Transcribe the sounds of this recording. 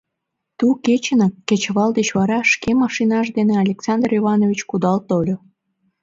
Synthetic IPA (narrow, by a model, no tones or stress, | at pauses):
t̪uket͡ɕənɑkːet͡ɕβɑld̪et͡ɕβɑɾɑʃkemɑʃinɑʃd̪eneɑlʲeksɑnd̪riβɑnovʲit͡ɕkud̪ɑlt̪olʲo